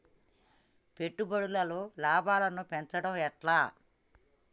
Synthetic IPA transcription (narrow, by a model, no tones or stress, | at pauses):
peʈːubɐɽulɐloːlaːbaːlɐnupɛnt͡ʃɐɽɐmɛʈlaː